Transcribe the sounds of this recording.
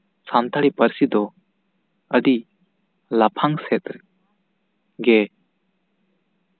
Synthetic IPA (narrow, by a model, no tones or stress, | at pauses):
sant̪ʰaɾipəɾsid̪ɔ | ədi | lapʰaŋsɛt̪̚ | ɡɛ